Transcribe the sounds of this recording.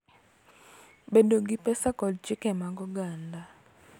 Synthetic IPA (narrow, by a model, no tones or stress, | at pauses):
bedoɡɪpɛsakɔdd͡ʒɪkɛmaɡɔɡanda